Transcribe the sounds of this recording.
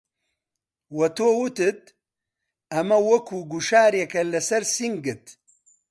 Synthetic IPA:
wɐt̪oːwut̪ɨt̪̚ | ɐmɐwɐkʰuɡuʃaːɾekɐlɐsɐɾsiŋɡɨt̪

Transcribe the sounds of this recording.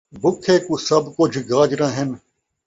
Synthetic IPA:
bʊkʰeːkuːsɐbkʊd͡ʒʱɡaːd͡ʒɾãːɦɪn

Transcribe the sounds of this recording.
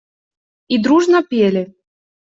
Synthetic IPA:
id̪ɾuʐnɐpʲelʲɪ

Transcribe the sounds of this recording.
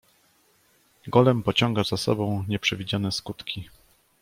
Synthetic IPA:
ɡɔlɛmpɔt͡ɕɔŋɡazasɔ̰bɔ̃w̃ɲɛpʂɛvʲid͡ʑanɛskut̪kʲi

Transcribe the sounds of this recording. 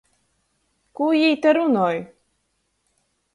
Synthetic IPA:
kujijt̪ɛɾunɔj

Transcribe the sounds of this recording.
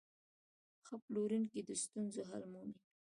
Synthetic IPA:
xəploɾunkid̪əst̪unzoɦa̰lmumi

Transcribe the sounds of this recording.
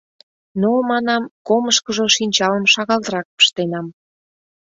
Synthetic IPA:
nomɑnɑmkoməʃkəʒoʃinʲt͡ɕɑləmʃɑɣɑlt̪əɾɑk̚pə̥ʃt̪enɑm

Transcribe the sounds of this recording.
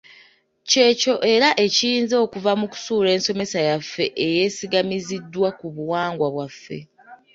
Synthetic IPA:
ce̞co̞ʔe̞ɾaʔe̞ciːnzo̞ːkuvamuku̥suːɾe̞ːnso̞me̞sajafːe̞ʔeje̞ːsiɡamizidːwakuβuwaːŋɡwaβwafːe̞̰

